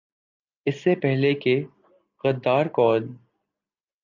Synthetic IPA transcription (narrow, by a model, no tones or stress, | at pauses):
ɪsːepɛɦleke | ɣɐd̪ːaːɾkɔːl